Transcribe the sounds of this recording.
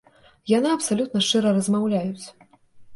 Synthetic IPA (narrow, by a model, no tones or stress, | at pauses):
janɨɐpsalʲut̪̚nɐʂt͡ʂɨɾɐrɐzmawlʲajut͡sʲ